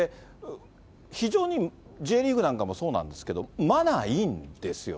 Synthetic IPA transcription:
e | çiʑo̞ːɲ̟i | d͡ʑe̞ːɾʲiːɡɯ̟nãŋkamo̞so̞ːnã̰nd̪e̞sɨ̥ke̞d̪o̞manaind̪̥e̞sɨjo̰

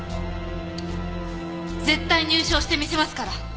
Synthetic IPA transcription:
zẽ̞t̪ːaiɲ̟ɨːɕo̞ːɕi̥t̪e̞mʲise̞masɨ̥kaɾa

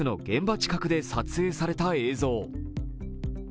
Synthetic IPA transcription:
ɨno̞ɡẽ̞mbat͡ɕi̥kakɯ̟d̪e̞sat͡sɨe̞ːsaɾe̞t̪ae̞ːzo̞ː

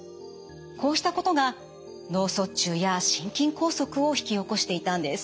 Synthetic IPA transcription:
kʰo̞ːɕi̥t̪ako̞t̪o̞ɡa | no̞ːso̞t͡ɕɨːjaɕĩŋkʲĩŋko̞ːso̞kɯ̟o̞çi̥kʲio̞ko̞ɕi̥t̪e̞it̪ãnd̪e̞sɨ̥

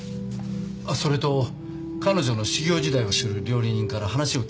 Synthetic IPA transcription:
aso̞ɾe̞t̪o̞ | kano̞ʑo̞no̞ɕiɡʲo̞ːʑid̪aio̞sɨɾɯ̟ɾʲo̞ːɾʲiɲ̟ĩŋkaɾaɦanaɕio̞

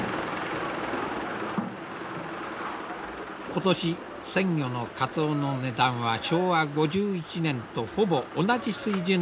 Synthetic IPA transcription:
ko̞t̪o̞ɕi | sẽ̞ŋjʲo̞no̞kat͡sono̞ne̞d̪ãɰ̃βaɕo̞ːβaɡo̞ʑɨːit͡ɕinẽ̞nt̪o̞ɸo̞bo̞ʔːnad͡ʑisɨiːʑĩ

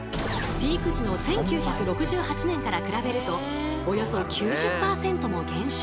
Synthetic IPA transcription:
pʲiːkɯ̟ʑino̞sẽ̞ŋkʲɨːçakɯ̟ɾo̞kɯ̟ʑɨːhat͡ɕinẽ̞ŋkaɾakɯ̟ɾabe̞ɾɯ̟t̪o̞ː | jo̞so̞kʲɨːʑɨpːaːsẽ̞nt̪o̞mo̞ɡẽ̞ɰ̃ɕ

